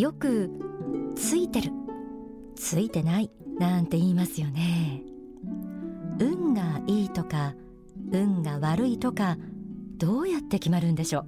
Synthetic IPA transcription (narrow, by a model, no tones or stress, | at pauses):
jo̞kɯ̟ | t͡sɨit̪e̞ɾɯ̟ | t͡sɨit̪e̞nai | nãnt̪e̞iːmasɨjo̞ne̞ | ɯ̟̃ŋɡaiːt̪o̞ka | ɯ̟̃ŋɡaβaɾɯ̟it̪o̞kad̪̥o̞ːjat̪ːe̞kʲimaɾɯ̟̃nd̪e̞ɕo̞ː